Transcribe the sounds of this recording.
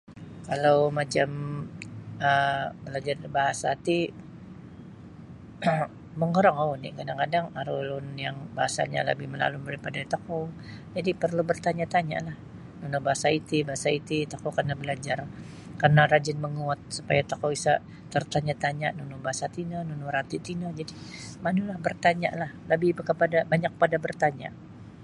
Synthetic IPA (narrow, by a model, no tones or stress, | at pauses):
kalawmat͡ʃam | əbəlad͡ʒarbaɦasat̪i | məŋoɾaŋaʊnḭkadaŋkadaŋaɾulʊnjaŋbaɦasa̰ɲa̰lə̰bɪhməla̰lumbəɾipadat̪okowd͡ʒadipərlubərt̪aɲat̪aɲa̰lah | nunubaɦasait̪ibaɦasait̪it̪akokarnabəlad͡ʒar | karnarad͡ʒɪnməŋuat̪̚supajat̪okoisa | t̪ərt̪aɲat̪aɲanunubaɦasat̪inənunuɾat̪it̪inəd͡ʒadimanulahbərt̪aɲa̰ʔlahləbɪkəpadabaɲak̚padabərt̪aɲa̰